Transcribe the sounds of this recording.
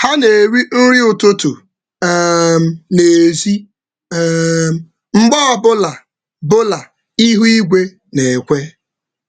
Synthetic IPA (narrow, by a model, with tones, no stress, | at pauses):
ha˦ne˨ɾi˦n̩˦ɾi˦ʊ˨to˦tu˨˦ | m̩˨ne˨zi˦ | m˦ | ŋ͡m̩˦ɡ͡bɔ˦˨bʊ˦la˨ | bʊ˦la˨ | i˦ɦu˦i˦ɡʷe˦ | ne˨kʷe˦